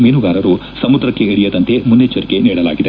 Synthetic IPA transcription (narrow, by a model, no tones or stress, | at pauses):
meːnuɡaːɾɐɾu | sɐmud̪ɾɐkːeiɽijɐd̪ɐnt̪e̞munːet͡ʃːɐɾike̞niːɽɐla̰ːɡid̪e